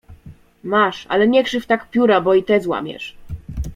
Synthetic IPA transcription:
maʂa̰lɛɲɛkʂɘft̪akpʲjuɾabɔit̪ɛzwa̰mʲjɛ̰ʂ

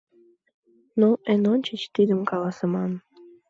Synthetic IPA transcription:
noʔenonʲt͡ɕət͡ɕt̪id̪əmkɑlɑsə̆mɑn

